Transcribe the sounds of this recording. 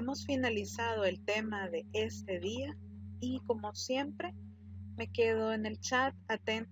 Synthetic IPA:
emosfinalisaðo̞e̞lt̪e̞maðe̞ʔe̞st̪e̞ðia | iko̞mo̞sje̞mpɾe̞ | me̞ke̞ð̞oene̞lt͡ʃat̪̚at̪e̞n

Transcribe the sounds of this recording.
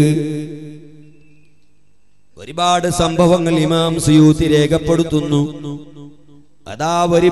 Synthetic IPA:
ɨ | o̞̰ɾibaːɽɨsɐmbʱɐʋɐŋːɐɭimaːmsijuːt̪ːiɾe̞ːkʰɐpːe̞ɽut̪ːunːu | ɐ̰ðaːʋɐɾi

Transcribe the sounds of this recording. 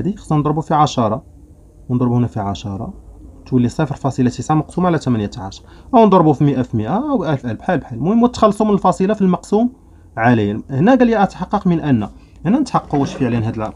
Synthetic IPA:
d̪ixsːɑnd̪ˤɾˤbufiʕɑʃɑɾˤɑ | wnd̪ˤɾˤbuhnækfiʕaʃɑɾˤɑ̰t̪wəlːisˤefəɾfɑsˤilɑt̪isaʕmɑqsumʕalæt̪æmænjæt̪ʕaʃɾˤʔəwnd̪ˤɑɾˤbufiməʔæfiməʔaʔæwʔælfʔælfħælbħalmuhəmwət̪ːxɑlːsˤumnəlfɑsˤilɑfilmɑqsum | ʕalijhnæɡæljæʔæt̪ħɑqːɑqmənʔænːæ | hnænət̪ħɑqːuwæʃfiʕlænɦæd̪əl

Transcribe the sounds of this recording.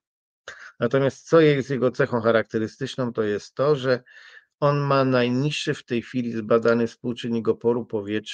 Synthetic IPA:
nat̪ɔmʲjast̪̚sɔjɛjzʲjɛɡɔt̪sɛxɔ̃w̃xaɾak̚t̪ɛɾɘst̪ɘt͡ʂnɔ̃w̃t̪ɔjɛst̪ːɔʐɛ | ɔnmanajɲiʂːɘft̪ɛjxfʲilʲizbad̪anɘfspuwt͡ʂɘɲːiɡɔpɔɾupɔvʲjɛtʂ

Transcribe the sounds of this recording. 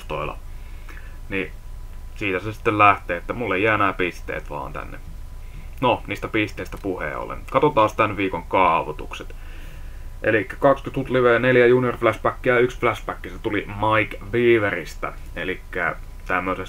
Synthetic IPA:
st̪oilɑ̰ | ni | siːt̪æsesi̥t̪ːellæht̪eːet̪ːæmulːeijæːenæːpist̪ḛːt̪ʋɑ̰ːnt̪æ̰nːḛ | noniːst̪æpist̪ˑeˑist̪æpuhḛːo̰lːḛnkɑt̪ot̪ɑːst̪ænʋiːkoŋkɑˑuʋot̪ṵkset̪ | ʔḛlikːæ̥kɑkskyt̪hut̪liʋeneljæjuːniorflæspækːiæyksflæspækːiset̪ulimɑikʋiːʋerist̪æ̰ | elikːæ̰ | t̪æmːøses

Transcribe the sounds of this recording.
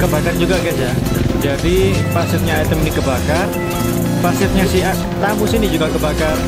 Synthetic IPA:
kəbakaɾnd͡ʒuɡaɡɛt̪d͡ʒa | d͡ʒadi | pasɪt̪̚ɲat̪əmnikəbakar | pasɪt̪̚ɲasiɦa | t̪amusinid͡ʒuɡakəbakar

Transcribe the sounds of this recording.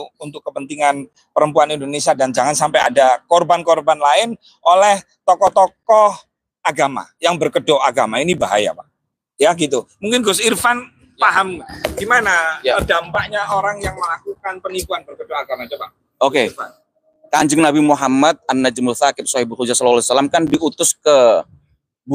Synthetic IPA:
unt̪ʊkːəpənt̪iŋan | pəɾəmpuanindonesiadand͡ʒaŋansampaja̰dakɔrbankɔrbanlaɪn | ʔolɛh | t̪ɔkɔht̪ɔkɔh | aɡama̰jaŋbərkədoaɡamainibaɦa̰ja̰pa̰ʔ | jaɡit̪umuŋkɪnɡʊsirfan | aɦamɡimanajaədampaʔɲaoɾaŋjaŋməlakukanpənikuanbərkədoaɡamad͡ʒapa | oke | kaɲd͡ʒəŋnabimuɦamat̪̚anːad͡ʒəmʊlθakɪp̚swahibukud͡ʒasɔlalasalamkandiut̪ʊskə | b

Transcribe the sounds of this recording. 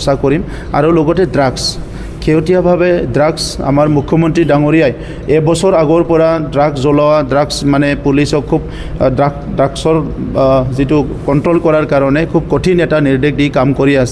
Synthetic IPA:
sakɔɹim | a̰ɹuloɡɔtɛdɹaks | kʰewtijabʱabɛdɹaksa̰maɹmukʰjɔmɔntɹidaŋɔɹijaj | ɛbɔsɔɹaɡɔɹpɔɹadɹaɡszɔlawadɹaksmanɛpulisɔkʰːub̚ | da | daɡsɔɹ | zitʊ | kɔntɹɔlkɔɹaɹkaɹɔnɛkʰub̚kɔtʰinɛtaniɹdek̚dikamkɔɹiasɛ

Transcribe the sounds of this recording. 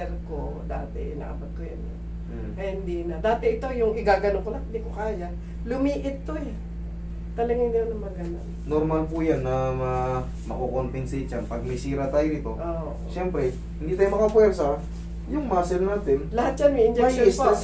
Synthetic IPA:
ɛɾko̰ | d̪a̰ːt̪ɛ̰ʔɪna̰ʔɐbɐd̪̚kojɐnɐ | ɐhɪnd̪inɐd̪aːt̪ɛɪt̪o̞jʊŋɪɡaːɡɐnoŋkolɐŋhɪnd̪ikokaːja | lʊmiːʔɪt̪̚ːoj | t̪ɐlɐɡand̪ɐwnɐmɐɡɐno̰nnoɾmalpujanːɐmɐ | mɐkokonpɪnsɛt͡ʃɐnpɐɡ̚mɛsiːɾɐt̪aːjoʔɪt̪o̞ʔoːʔoʃɛmpɾɛ | hɪniːt̪aːjomɐkɐpwɛɾsɐ | jʊŋmasɛlnaːt̪ɪnlɐhat̪̚t͡ʃanmɐɪnd͡ʒɛkosɐ

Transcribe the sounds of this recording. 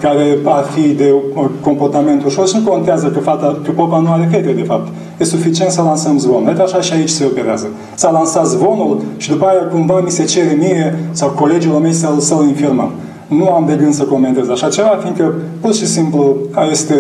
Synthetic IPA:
kaɾe̞afid̪e̞ko̞mpo̞rt̪ame̞nt̪uʃo̞rʃnukont̪eazəkəfat̪akəpopanuaɾef̬e̞t̪ed̪e̞fap̚t̪ | jesufit͡ʃient̪səlansəmzbo̞nlet̪aʃaʃiait͡ʃʲse̞o̞pe̞ɾea̰zə | salansat̪zbo̞nulʃid̪upaajakumvamise̞t͡ʃe̞ɾemiɾe̞sawko̞le̞d͡ʒiulomejsalsəwinfirməm | nuamd̪e̞ɡɨnsəko̞me̞nt̪e̞zaʃat͡ʃe̞vafiŋkə | purt̪ʃisimpluaje̞st̪e

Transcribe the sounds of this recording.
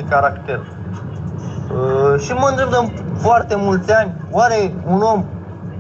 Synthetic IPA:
ekaɾakt̪e̞r | ʃimənd̪ɾe̞b̚d̪əmfoart̪e̞mult̪sʲanʲ | waɾe̞unom

